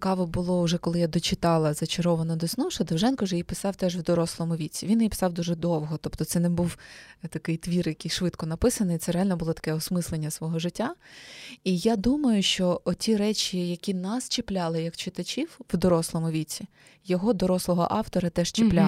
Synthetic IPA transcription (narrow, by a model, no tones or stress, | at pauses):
kɑʋɔbʊlˠɔʊʒɛkɔlˠɪjad̪ɔt͡ʃɪt̪ɑlˠɐzɐt͡ʃɪɾɔʋɐnɐd̪ɔsnɔʃɐd̪ɐwʒɛnkɐʊʒɛjipɪ̥sɑwt̪ɛʒwd̪ɔɾɔslˠɔmʊʋʲit͡sʲiʋʲinjipɪ̥sɑwd̪uʒɛd̪ɔwɦɔt̪ɔpt̪ɔt̪ɛnɛbuwt̪ɐkɪjt̪ʋʲirjɐkɪjʃʋɪt̪kɔnɐpɪsɐnɔit̪sɛɾealʲnɔbʊlˠɔt̪ɐ̥kɛɔsmɪslˠenʲːɐsʋɔɦɔʒɪtʲːa | ijad̪umɐjʊʃt͡ʃɔɔtʲiɾɛt͡ʃʲijɐkʲinɐst͡ʃɪplʲalˠɪjɐkt͡ʃɪt̪ɐt͡ʃʲiwwd̪ɔɾɔslˠɔmʊʋʲit͡sʲːi | jɔɦɔd̪ɔɾɔslˠɔɦɔ̰ʔɑwt̪ɔɾɐt̪ɛʃt͡ʃɪpplʲa